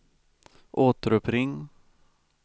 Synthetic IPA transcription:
ʔoːt̪əɾɵpɾɪŋː

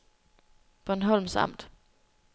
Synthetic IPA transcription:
b̥ɔnɦɔl̰msɑ̰̈m̰d̥

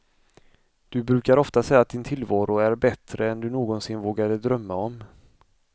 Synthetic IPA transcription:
d̪̥ɵbɾʉ̟ːkaɾɔft̪asɛjat̪̚d̪ɪnt̪ʰɪlvɑːɾʊæɾbɛt̪ɾəɛnd̪ɵnoːɡɔnsɪnvoːɡad̪əd̪ɾœmːaɔm

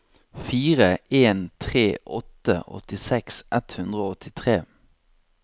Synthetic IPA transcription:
fiːʁəeːnt̪ʰʁeːʔɔt̪ə̰ʔɔ̰t̪ɪsɛksʔɛt̪hʉnd̪ʁəoːɔt̪ʰɪt̪ʰʁeː

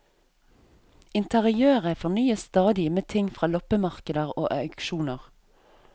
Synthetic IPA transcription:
ɪnt̪əʁɪøːʁəfɔnyːəst̪ɑːd̪ɪmeːt̪ʰɪŋfʁɑːlɔpəmɑʁkəd̪əʁo̰ːʔɑkʃuːnəʁ

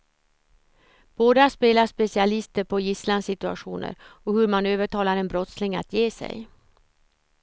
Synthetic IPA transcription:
b̥oːd̪aspeːlaʂpɛsɪalɪst̪əɾpʰɔjɪslansɪt̪ɵa̰ɧṵːnə̰ɾɔhɵɾmanøːvəʈʰɑːlaɾɛnbɾɔt̪slɪŋa̰t̪ʰjeːsɛ̰j

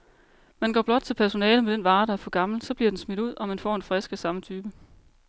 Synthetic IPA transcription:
mænɡ̥ɒ̰ːb̥lɒ̽d̥̚t͡sʰe̝pʰæɐso̝nɛːləmed̥enʋɑ̈ːɾ̥ɑ̈æɐfɒ̽ɡ̥ɑ̈ml̩sɒ̽b̥liɐd̥ensmid̥uð̰ˠʔɒ̽mænfɒ̰ːe̝nfʁɛsɡ̥æsɑ̈mət͡sʰyːb̥ə

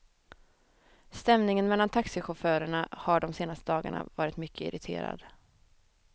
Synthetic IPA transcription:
st̪ɛmnɪŋənmɛlːant̪ʰaksɪɧʊfœːɾəɳahaɖɔmseːnast̪əd̪ɑːɡa̰ɳa̰vɑːɾɪt̪mʏkʰːəɪ̰ɾɪt̪ʰḛːɾa̰d̪̥

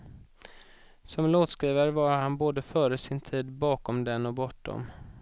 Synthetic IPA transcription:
sɔmloːt̪skɾiːvəɾvaɾhanboːd̪əfœːɾəsɪnt̪ʰiːd̪bɑːkɔmd̪ɛnːɔbɔʈdɔ̰m

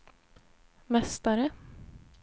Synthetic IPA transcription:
mɛst̪aɾə

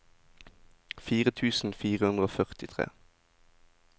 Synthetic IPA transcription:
fiːʁət̪ʰʉːsn̩fiːʁəʉnd̪ʁəoːfœʁt̪ɪt̪ʰʁḛː

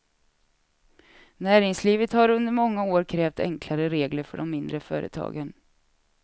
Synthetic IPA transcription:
næːɾɪŋsliːvət̪haɾɵnd̪əɾmɔŋːaoːɾkʰɾɛːft̪ɛ̰ŋkʰlaɾəɾeːɡləɾfœ̰ɖɔmːɪnd̪ɾəfœ̰ːɾʔə̰t̪ʰɑ̰ːɡən

